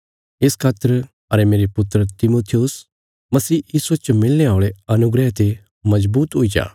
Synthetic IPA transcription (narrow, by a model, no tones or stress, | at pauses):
ɪskʰaːt̪ːəɾ | ɐɾemeːɾepʊt̪ːəɾət̪ɪmoːt̪ʰiʊs | mɐsiːjiːsuet͡ʃmɪlːeaːɭeɐnʊɡɾɛt̪e | mɐd͡ʒbuːt̪ɦʊid͡ʒa̰ː